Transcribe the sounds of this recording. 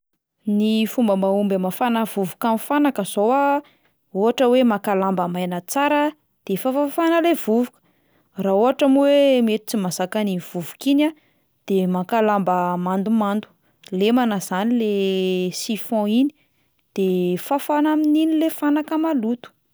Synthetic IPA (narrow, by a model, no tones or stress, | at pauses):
nifumbəmaumbamafanəvuvukamifanakəzoa | oɦaʈ͡ʂəwemakalambəmajnət͡saɾə | d̪̥efafafanəlevuvukə̥ | raoɦaʈ͡ʂamiwemet̪u̥t͡simasakaniv̥uvukina | d̪̥emakalambəmand̪umand̪u̥ | lemanazanilesifɔ̃ini̥ | d̪̥efafanamininilefanakəmalut̪u̥